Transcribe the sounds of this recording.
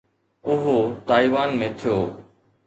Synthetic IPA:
ʊɦot̪aːiːʋaːnmẽːt̪ʰijoː

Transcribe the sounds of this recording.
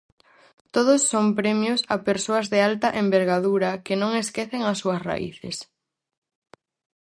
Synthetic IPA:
t̪oðʊsːompɾɛmjʊsapeɾsoɐzðɪalt̪ɐʔembeɾɣaðuɾɐkɪnõŋeskeθeŋɐsːuɐsra̰ʔḭθɪ̰s

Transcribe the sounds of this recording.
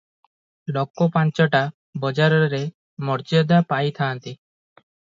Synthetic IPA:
lɔkːɔpant͡ʃɔʈa | bɔd͡ʒaɾɔɾe | mɔɾt͡ʃiɔd̪apajt̪ʰãːnt̪i

